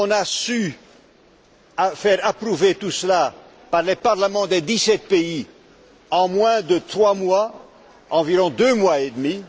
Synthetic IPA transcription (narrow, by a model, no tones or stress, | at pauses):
ɔ̃nasy | fɛʁapχuvet̪usəla | paʁlepaʁləmɑ̃d̪ed̪isɛt̪̚pei | ɑ̃mwɛ̃d̪ət̪χwamwa | ɑ̃viʁɔ̃d̪ømwaed̪mi